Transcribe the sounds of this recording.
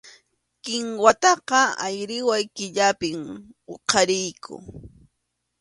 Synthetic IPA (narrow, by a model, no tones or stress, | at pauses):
kɪŋwat̪ɑqɑajɾɪwajkɪʎapɪmoqʰɑɾɪjkʰʊ̰